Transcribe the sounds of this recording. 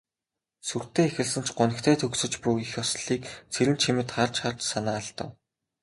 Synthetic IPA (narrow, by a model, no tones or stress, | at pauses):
sur̥t̪eːexɘ̆ɮsə̆nt͡ɕʰɢʊnə̆kt̪ʰæːt̪ʰɵksɵ̆t͡ɕpuixjɔsɮiːkt͡sʰeɾɘ̆nt͡ɕʰimɘ̆t̪χart͡ɕχart͡ɕsanaːɮt̪ə̰̆w